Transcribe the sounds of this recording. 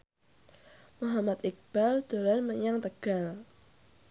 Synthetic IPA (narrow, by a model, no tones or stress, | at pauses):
muɦamat̪ik̚b̥ald̪̥o̤lanməɲaŋt̪əɡ̥al